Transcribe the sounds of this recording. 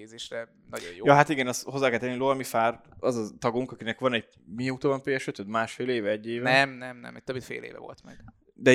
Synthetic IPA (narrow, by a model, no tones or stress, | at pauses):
eːzeːʃrɛ | nɒɟo̰jojɒɦat̪iɡɛnɛsho̞zːaːkɛlt̪ɛnilovɒmifaːrɒzɒt̪ɒɡuŋkɒkinɛkʋɒnɛɟ | miɛut̪oːvɒmpeːɛʃøt̪ød̪maːʃfeːleːvɛɛɟːeːvɛnɛmnɛmnɛ̰mɛc̚t̪øbit̪fḛːlḛːvɛ̰vo̞̰lt̪mɛ̰ɡ̥ | d̪ɛ